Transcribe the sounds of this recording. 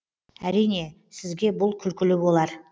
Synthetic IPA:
æɾijne̞ | sɪzɡʲe̞bʊlˠkʲʰʏlkʲɪlɪbo̞lˠɑɾ

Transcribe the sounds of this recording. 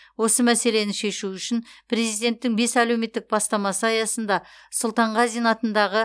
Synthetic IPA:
wo̞səmæse̞le̞nɪʃe̞ʃuʏʃɪnpʰɾe̞zijd̪e̞nt̪ːɪŋbe̞sæle̞wme̞t̪ːɪk̚bɑst̪ɑmɑsəɑjɑsənd̪ɑ | sʊlˠt̪ɑɴʁɑzijnɑt̪ənd̪ɑʁə

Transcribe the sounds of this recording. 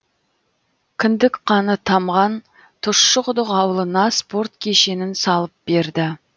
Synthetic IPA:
kʲʰɪnd̪ɪkqʰɑnət̪ʰɑmʁɑn | t̪ʰʊʃːəqʊd̪əqɑwlˠənɑspo̞rt̪kʲʰe̞ʃe̞nɪnsɑlˠəp̚be̞ɾd̪ɪ

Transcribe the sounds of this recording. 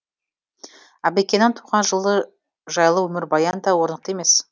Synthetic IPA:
ɑbekʲːenːɪnt̪ʰu̥ʁɑnʒəlˠə | ʒɑjlˠəwɵmɪɾbɑjɑnd̪ɑwoɾnəq̚t̪e̞me̞s

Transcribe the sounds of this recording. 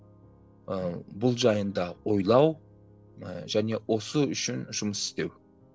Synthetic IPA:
bʊlˠʒɑjənd̪ɑwo̞jlˠɑw | ʒæne̞wʔo̞səʏʃɪnʒʊməsɪ̥st̪e̞w

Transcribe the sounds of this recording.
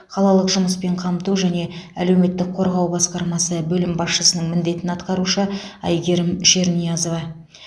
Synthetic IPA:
qʰɑlˠɑlˠəqʒʊməspe̞ɴqʰɑmt̪uʒæne̞æle̞wme̞t̪ːɪk̚qʰo̞ɾʁɑwbɑsqɑɾmɑsəbɵlɪmbɑsʃəsənəɴmɪnd̪e̞t̪ɪnɑt̪qɑɾuʃəɑ̰jɡʲe̞ɾɪmʃe̞ɾnijɑzo̞vɑ

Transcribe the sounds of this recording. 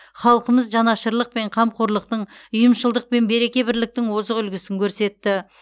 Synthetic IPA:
χɑlˠqəməzʒɑnɑʃəɾlˠəq̚pe̞ɴqʰɑmqʰoɾlˠəq̚t̪əɴʊjəmʃəlˠd̪əq̚pe̞nbe̞ɾe̞kʲe̞bɪɾlɪk̚t̪ɪŋwo̞zəʁʏlɡʲɪsɪŋkʲʰɵɾse̞t̪ːɪ

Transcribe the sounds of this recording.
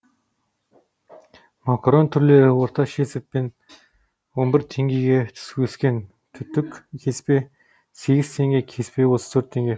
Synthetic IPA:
makront̪ʰʏɾleːɾɘwʊrt̪aʃesɘ̆t̪̚pen | ombɪ̆rt̪ʰeŋɡʲiːɡet̪ʰɵ̥skueskeːn | t̪ʰɵt̪ɵ̆kʰespeː | seɣɪ̆st̪ʰeŋɡʲeːkʰespeːwossɵrt̪ʰːeŋɡʲe

